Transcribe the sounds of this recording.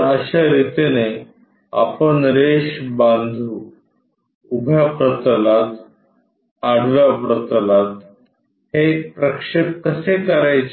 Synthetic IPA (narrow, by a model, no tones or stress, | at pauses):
əɕaɾit̪ine | a̰pəɳɾeɕbãnd̪ʱuː | ubʱjapɾət̪lat̪ | aɽʋjapɾət̪lat̪̚ | hepɾəkʂep̚kəsekəɾajt͡ɕ